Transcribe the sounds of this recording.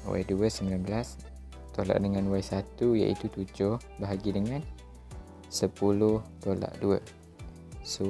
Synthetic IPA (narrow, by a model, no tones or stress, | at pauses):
wa̰jduəsəmbilanbəlas | t̪ola̰ʔdəŋanwajsat̪uja̰ʔḭt̪ut̪ud͡ʒʊh | baɦaɡidəŋãn | səpulʊht̪ola̰ʔduə̰ | so